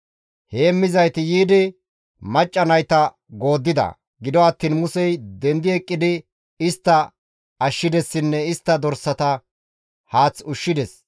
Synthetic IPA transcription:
heːmːɪzɐjt̪ɪjiːd̪ɪ | mɐt͡ʃʼːɐnɐjt̪ɐ | ɡo̞ːd̪ːɪd̪ɐ̰ | ɡɪd̪ɔɐt̪ːiːnmʊsɛjd̪ɛnd̪ɪɛkʼːɪd̪ɪ | ɪst̪ːɐ | ɐʃːɪd̪ɛsːɪnːɛɪst̪ːɐd̪ɔɾsːɐt̪ɐ | haːt͡sʊʃːɪd̪ɛs

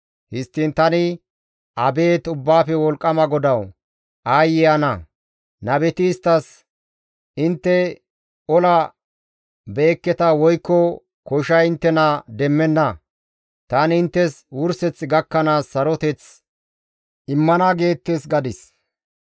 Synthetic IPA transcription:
hɪst̪ːɪnt̪ɐnɪ | ɐbe̞ːt̪ʊbːaːfɛwɔlkʼːɐmɐɡɔd̪ɐw | ʔaːjːɪjɐnɐ | nɐbɛt̪ɪːst̪ːɐs | ɪnt̪ːɛ | ɔlɐ | beːkːɛt̪ɐwɔjkːɔ | kɔʃɐjɪnt̪ːɛnɐd̪ɛmːɛnːɐ | t̪ɐnɪnt̪ːɛswʊɾsɛt͡sɡɐkːɐnaːsːɐɾɔt̪ɛt͡s | ʔɪmːɐnɐɡe̞ːt̪ːɛsɡɐd̪ɪs

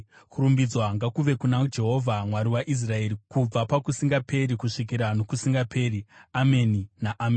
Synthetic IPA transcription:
kuɾumbid͡zwaŋɡakuʋe̞kunad͡ʒe̞ɦo̞vʱamwaɾiwaʔis̬rae̞ːɾikub͡vapakusiŋɡape̞ɾikuʂik̬iɾano̞kusiŋɡapʰe̞ːɾiameninaʔameːni

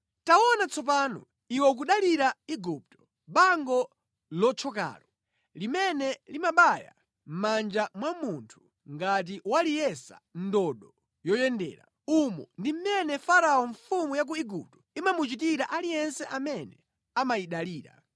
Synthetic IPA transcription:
taɔnat͡sʰɔp̬aːnɔ̰ | iwɛk̬uɗaliɾaiɡup̚tɔ̥ | ɓaŋɡɔ | lɔt͡ʃʰɔka̰ːɾɔ | limɛnɛlimaɓaja̰ | m̩mand͡ʒamwamuntʰu̥ | ŋɡat̬iwalijɛsa̰ndɔɗɔ | jɔjɛndɛ̰ːɾa̰ | umɔ̰ndim̩mɛnɛfaɾaɔɱfumujak̬uiɡup̚tɔ̥imamut͡ʃitiɾaʔalijɛnsɛʔamɛnɛ | amajiɗaliːɾa̰

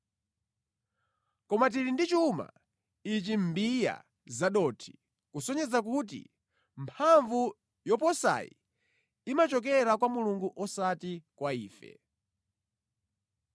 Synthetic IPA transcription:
kɔmat̬iɾindit͡ʃuma̰ | it͡ʃim̩bija̰ | zaɗɔtʰi̥ | kusɔɲɛzakut̬ḭ | mpʰaɱvu | jɔpɔsa̰jḭ | imat͡ʃɔk̬ɛɾakwamuluŋɡuʔɔsatikwaiːfɛ̰

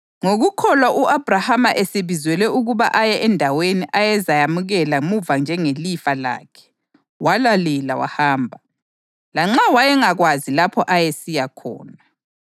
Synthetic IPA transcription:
ŋoɣukʰɔlwaʔuʔab̥ʱrahamaʔeseβizwɛlɛuɣuβa̰ʔajɛʔɛndʱaweniʔajɛzajamuɣɛlamuvand͡ʒʱɛŋelifala̰ːkʰɛ̥ | walalɛlawa̰haːmbʱa | laŋ͡ǁawajɛŋaɣwazilapʰɔʔajesijakʰɔ̰ːna

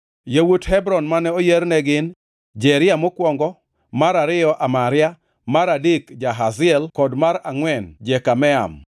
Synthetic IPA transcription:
jewuthɛbɾɔnmanɛojernɛɡɪn | d͡ʒɛɾɪamokwɔŋɡɔ | maɾaɾɪɔʔamaɾɪa | maɾadɪkd͡ʒaɦazɪɛlkɔdmaɾaŋwɛnd͡ʒɛkamɛa̰m

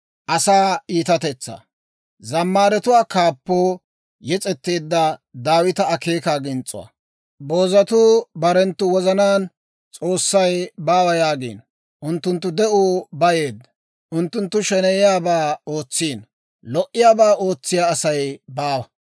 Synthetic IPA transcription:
ʔɐsaːiːt̪ɐt̪ɛt͡sːɐ̰ | zɐmːaːɾɛt̪ʊwaːkaːpːoː | jɛt͡sʼɛt̪ːeːd̪ːɐd̪aːwɪt̪ɐɐke̞ːkaːɡɪnt͡sʼʊ̰wa̰ | bo̞ːzɐt̪uːbɐɾɛnt̪ːʊwɔzɐnaːn | t͡sʼo̞ːsːɐjbaːwɐjaːɡḭːn | ʔʊnt̪ːʊnt̪̬ːʊd̪ɛʔubɐje̞ːd̪ːɐ | ʔʊnt̪ːʊnt̪ːʊʃɛnɛjɪjaːbaːo̞ːt͡sːiːn | lɔʔːɪjaːbaːʔo̞ːt͡sːɪjaːsɐjbaːwɐ

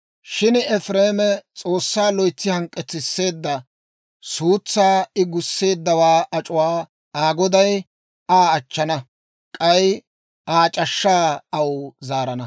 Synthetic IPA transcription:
ʃɪnɛfɾe̞ːmɛt͡sʼo̞ːsːaːlɔjt͡sːɪhɐŋkʼːɛt͡sːɪsːe̞ːd̪ːɐ | suːt͡sːaːɪɡʊsːe̞ːd̪ːɐwaːʔɐt͡ʃʼʊwaː | aːɡɔd̪ɐj | aːɐt͡ʃːɐnɐ | kʼɐj | aːt͡ʃʼɐʃːaːɐwzaːɾɐnɐ

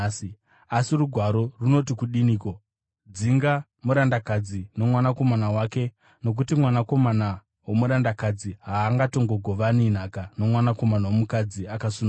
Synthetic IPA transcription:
s | asiruɡʱwaɾo̞runo̞tikuɗiniːko | d͡ziŋɡa | muɾandakad͡zino̞mwanako̞manawake̞ | no̞k̬utimwanako̞mana | womuɾandakad͡ziɦaːŋɡato̞ŋɡo̞ɡʱo̞ʋanin̤akano̞mwanako̞manawomukad͡ziakasuna

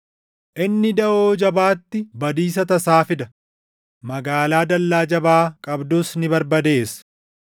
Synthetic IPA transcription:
ʔɪnːɪd̪ɐʔoːd͡ʒɐbaːt̪ːɪbɐd̪iːs̬ɐt̪ɐsaːfɪd̪ɐ | mɐɡaːlaːd̪ɐlːaːd͡ʒɐbaːkʼɐbd̪ʊsnɪbɐɾbɐd̪e̞ːs

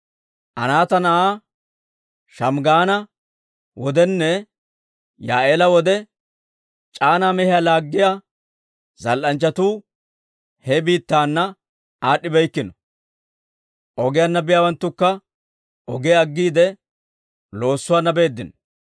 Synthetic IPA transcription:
ʔɐ̰naːt̪ɐnɐaː | ʃɐmɡaːnɐ | wɔd̪ɛnːɛ | jaːeːlɐwɔd̪ɛ | t͡ʃʼaːnaːmɛhɪjaːlaːɡːɪja | zɐlʔɐnt͡ʃːɐt̪uː | hɛbiːt̪ːaːnːɐ | aːɗːɪbɛjkːɪnɔ̥ | ʔɔɡɪjanːɐbɪjaːwɐnt̪ːʊkːɐ | ɔɡɛɐɡːiːd̪ɛ | lo̞ːsːʊwaːnːɐbe̞ːd̪ːɪnɔ̥

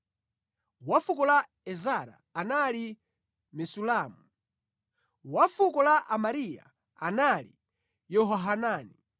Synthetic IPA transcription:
wafukɔla | ɛzaɾa̰ːnali | mɛsulaːmu | wafukɔlaʔamaɾija̰ | analḭ | jɔɦɔɦanaːni

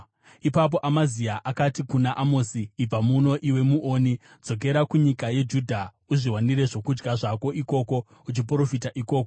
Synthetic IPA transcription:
ipap̬o̞ʔamaziaʔakatikunaʔamoːsiːb͡vamuno̞ʔiwe̞muʔoːni | d͡zo̞k̬e̞ɾakuɲikaje̞d͡ʒudʱa | uʐiwaniɾe̞ʐo̞kud͡ʒɡaʐako̞ʔiko̞ko̞ | ut͡ʃipɾo̞fitaʔiko̞ːko

